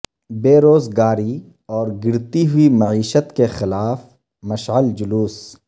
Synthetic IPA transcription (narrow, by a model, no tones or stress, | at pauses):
beːɾoːzɡaːɾi | ɔːɾɡɪɾt̪iɦʊimɐʕiːʃət̪kexɪlaːf | mɐʃʕəld͡ʒʊluːs